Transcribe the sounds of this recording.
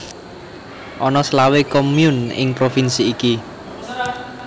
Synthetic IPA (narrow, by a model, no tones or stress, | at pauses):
ʔɔnɔslawekomjunɪ̰ŋpɾofinsiːki